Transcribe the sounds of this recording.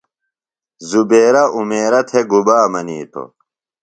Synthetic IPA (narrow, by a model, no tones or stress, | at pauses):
zubeːɾɐʔumeːɾɐt̪ʰeɡubaːmɐniːt̪ʰo̰